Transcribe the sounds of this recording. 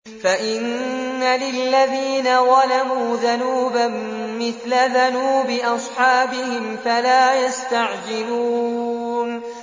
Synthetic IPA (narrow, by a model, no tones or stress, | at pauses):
faʔɪnːalɪlːaðiːnaðɑlamuːðanuːbamː | ɪθlaðanuːbɪʔɑsˤħɑːbɪhɪmfalaːjast̪aʕd͡ʒɪluː | n